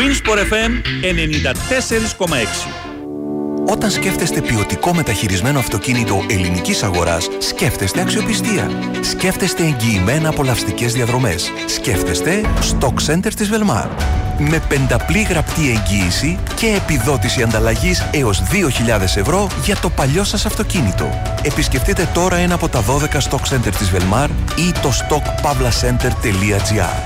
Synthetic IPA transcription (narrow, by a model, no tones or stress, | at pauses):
inspoɾefenenenind̪ɐt̪e̞seɾisko̞mɐeksi̥ | o̞t̪ɐnsce̞ft̪e̞st̪e̞pio̞t̪iko̞me̞t̪ɐçiɾizme̞no̞ɐft̪o̞cinit̪o̞ʔe̞linicisɐɣo̞ɾɐ̰sːce̞ft̪e̞st̪e̞ɐksio̞pist̪iɐ̰ | sce̞ft̪e̞st̪e̞ːɲɟiːme̞nɐːpo̞lɐfst̪ice̞zðiɐðɾo̞me̞sːce̞ft̪e̞st̪e̞st̪o̞kse̞nt̪eɾt̪izve̞lmɐ̰ɾme̞pe̞nd̪ɐpliɣɾɐpt̪ie̞ɲɟiːsice̞ːpiðo̞t̪isiɐnd̪ɐlɐʝise̞o̞zðio̞çiʎɐðe̞se̞vɾo̞ʝɐt̪o̞pɐʎo̞sɐsɐft̪o̞cinit̪o̞̰ | e̞pisce̞ft̪it̪e̞t̪o̞ɾɐe̞nɐːpo̞t̪ɐðo̞ðe̞kɐst̪o̞kse̞nt̪e̞ɾt̪izvelmɐɾit̪o̞st̪o̞kpɐvlɐse̞nt̪e̞ɾt̪e̞liɐd͡ziɐ̰ɾ